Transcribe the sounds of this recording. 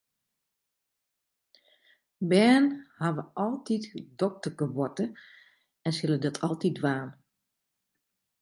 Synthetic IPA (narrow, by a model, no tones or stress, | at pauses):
bɛːnhaʋəʔɔlˠtitdɔk̚təkəbɔtə | ɛnsɪlˠədɔtʰɔlˠtidʋaːn